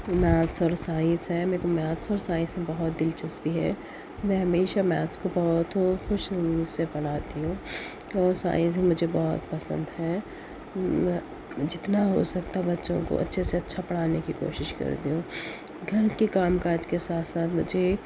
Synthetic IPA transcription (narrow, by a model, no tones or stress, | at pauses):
mɛːt̪sɔːɾsaːɪsɦɛmɛ̃ːkomaːt̪sɔːɾsaːɪ̃sẽbɐɦʊt̪̚d̪ɪlt͡ʃɐsbiɦɛ̰ː | mɛ̃ɦɐmeːʃamɛːt̪skobɐɦɔt̪xʊʃsepɐɽ̤aːt̪iɦũː | ɔːɾsa̰ːɪ̃sɦmʊd͡ʒʱebɔɦʊt̪pɐsə̰̃nd̪ɦɛ | ɛ̃ | d͡ʒɪt̪naɦo̰sɐk̚t̪abɐtːʃõ̰ko̰ʔɐ̰tːʃʰeseɐtːʃʰapɐɽ̤aːnekiko̰ːʃɪʃkɐ̰ɾd̪iũː | ɡʱɐɾkekaːmkaːd͡ʒkesaːt̪saːt̪mʊd͡ʒʱe